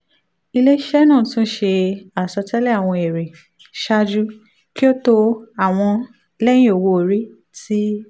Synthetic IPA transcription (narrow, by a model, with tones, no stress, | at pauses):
i˧le˦i˦ʃɛ˦nã˦˨tũ˦ʃe˧a˨sɔ˧tɛ˦lɛ˦a˦˨w̃ɔ̃˧e˨ɾe˨ | ʃa˦d͡ʒu˦ | ki˦o˦to˧a˨w̃ɔ̃˧ | lɛ˦jĩ˦o˨wo˧o˨ɾi˦ | ti˦